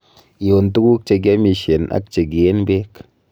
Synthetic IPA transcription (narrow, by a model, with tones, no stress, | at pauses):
i˨o˨n˨tu˦ku˦k̚t͡ʃe˧ɡ̬a˦mi˨˧ʃe˨na̰˦k̚t͡ʃe˨ɡ̬i˨e˦nbe˦k